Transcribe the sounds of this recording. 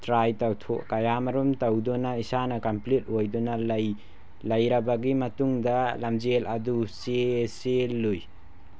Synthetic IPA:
tɾajtawtʰo̰ʔkajamɐɾumtɐwdɔnɐisanɐkɐmplit̚ojdɔnɐl | lɐjɾɐbaɡimɐtuŋdɐlamd͡ʒelɐduseselːuj

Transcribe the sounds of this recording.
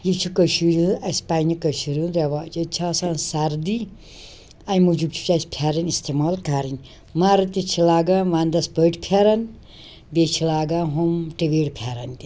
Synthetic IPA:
jit͡ʃʰukəʃiɾũɐsʲpanikəʃiɾʲunɾɐʋaːt͡ʃɐt͡ʃʰaːsansɐɾd̪i | ɐjmud͡ʒubt͡ʃʰu̥t͡ʃasʲpʲʰjaɾɐnist̪imaːlkaɾinʲ | maːɾɐt̪it͡ʃʰilaːɡaʋãːnd̪ɐspəʈʲpʰaɾɐn | bet͡ʃʰilaːɡaɦomʈiʋeːɽpʰaɾɐnt̪ʲi

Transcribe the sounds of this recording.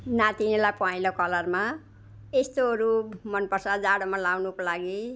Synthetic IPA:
nãt̪inilapãilokʌlʌrma | est̪oɦʌɾumʌnpʌrsʌd͡zaɽomalawnukolaɡi

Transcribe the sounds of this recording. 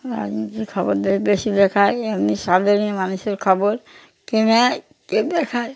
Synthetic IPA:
ɾa̰d͡ʒnit̪iɾkʰɔboɾd̪eɾbeʃid̪ɛkʰajamniʃad̪eniemanuʃeɾkʰɔboɾ | kenɛ | ked̪ɛkʰaj

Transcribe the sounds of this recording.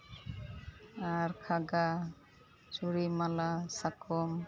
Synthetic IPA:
aɾkʰaɡa | t͡ʃuɾimalasakʰɔm

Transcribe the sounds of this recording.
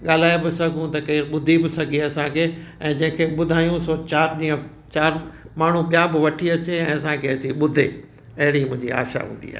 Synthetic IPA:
ɠaːl̤aːebɪsɐɡʱũt̪ɐkɐːɾɓʊd̪ʱibɪsɐɡʱiɐsãkʰeːɛ̃ːd͡ʑɐ̃ɦɪ̃kʰeɓʊd̪ʱaːjũsɔːt͡ɕaːɾɗĩːə̃ | t͡ɕaːɾ | maːɳ̤ũɓijabɪʋɐʈʰiɐt͡ɕeɛ̃ːɐsãkʰeɐsĩɓʊd̪ʱe | ɐɦɪɽimʊ̃ɦɪ̃ɲd͡ʑia̰ːʃa̰ɦṵ̃ːn̆d̪ḭa̰ːɦe

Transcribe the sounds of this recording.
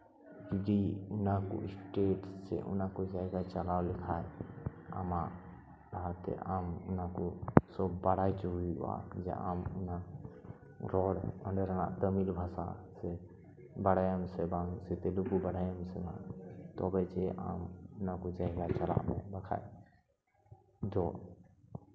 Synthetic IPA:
kid͡ʒiunako̰isʈeʈːḛʔṵnakod͡ʒajɡat͡ʃəlawlikʰaja̰ma | ɾəɦət̪ḛamunakusɔbːaɽajt͡ʃuɦuḭa̰d͡ʒḛʔa̰muna | ɾɔɽəɳɖəɾəña̰t̪əmilbʱasa̰se | bəɽajəmsebãŋset̪elukubəɽajəmsebã̰ŋt̪ɔbɛt͡ʃeʔa̰munakud͡ʒaɪɡat͡ʃəla̰mẽbəkʰa̰j | d͡ʒɔ

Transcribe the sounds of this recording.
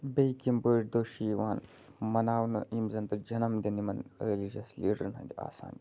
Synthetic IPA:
bejkimbəʈ̚d̪oːʃiʋaːn | mɐnaːwnɐʔimzɐnt̪ɐd͡ʒɐnɐmd̪inimɐnɾelid͡ʒɐsliːɖɐɾnɐ̰̃nd̪ia̰ːsa̰ːni

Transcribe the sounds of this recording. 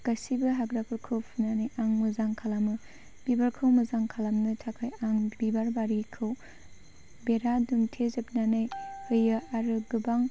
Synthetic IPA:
kasibɯɦaɡɾakʰɯɾkʰɯwpʰunanajaŋmɯzaŋkʰalamɯ | b̥ibaɾkʰɯwmɐzaŋkʰalamnɯtʰakʰajaŋbibaɾbaɾikʰɯw | beɾaduŋtʰezɐp̚nanajhɯjɯaɾɯɡɯbaŋ

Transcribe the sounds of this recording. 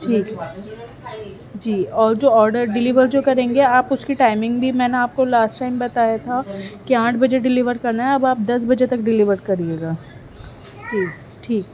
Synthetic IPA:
ʈʰiːk | d͡ʒiːɔːɾd͡ʒoːɔːɾɖəɾɖɪlɪʋəɾd͡ʒoːkɐɾẽːŋɡeaːpʊskiʈaːɪmɪ̃ŋɡbʱimɛːneaːp̚kolaːsʈʈaːɪmbɐt̪ajat̪ʰakiãːʈʰbɐd͡ʒeɖɪlɪʋəɾkɐɾnaɦɛɐbaːp̚d̪ɐsbɐd͡ʒet̪ɐkɖɪlɪʋəɾkɐɾlieːɡaː | ʈiːk | ʈʰiːk

